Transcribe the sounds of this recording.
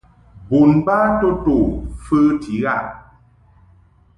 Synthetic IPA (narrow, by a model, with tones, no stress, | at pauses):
bu˨nba˦to˦to˨fɨ˦tʰi˨˦ɣa˦˨ʔ